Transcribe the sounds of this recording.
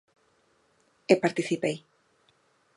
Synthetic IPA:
epaɾt̪iθipej

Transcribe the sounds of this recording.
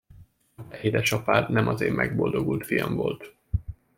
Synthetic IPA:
ɛed̪ɛʃɒpaːrnɛmʔɒzeːmmʔɛɡbo̞ld̪o̞ɡult̪fijɒmvo̞lt̪

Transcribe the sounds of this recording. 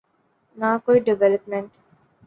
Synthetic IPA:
naːkoiɖeʋeləpmẽɳʈ

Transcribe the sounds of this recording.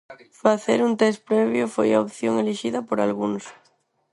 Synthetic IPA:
faθeɾunt̪espɾeβ̞jofojaopθjoŋeliʃiðapoɾalɣuns

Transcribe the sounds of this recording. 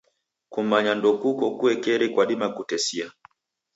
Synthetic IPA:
kum̩aɲandɔkukɔkuɛkɛɾikwaɗimakutɛsia

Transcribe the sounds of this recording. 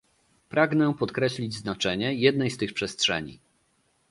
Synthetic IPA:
pɾʔaɡnɛpɔt̪kɾɛɕlʲid͡ʑznat͡ʂɛɲɛjɛd̪nɛjst̪ɘxpʂɛstʂɛ̰ɲḭ

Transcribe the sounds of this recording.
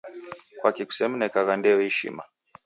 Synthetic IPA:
kwakiku̥sɛm̩nɛkaɣandɛɛhiʃḭma̰

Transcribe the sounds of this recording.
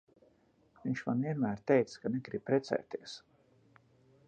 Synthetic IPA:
viɲt͡ʃma̰nviɛnmæːɾt̪ɛjt̪skaneɡɾib̥̚pɾɛt̪sɛ̰jt̪iɛs

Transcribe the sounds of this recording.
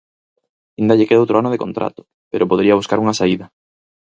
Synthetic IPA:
ind̪ɐʎekeðowt̪ɾoanʊðekont̪ɾʔa̰t̪ʊ̥ | peɾʔopoðeɾiɐβuskaɾuŋasaiðɐ

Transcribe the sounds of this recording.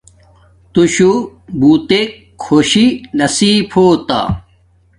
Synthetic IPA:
t̪uɕubuːt̪ekʰːoːɕinɐsiːpʰoːt̪a̰

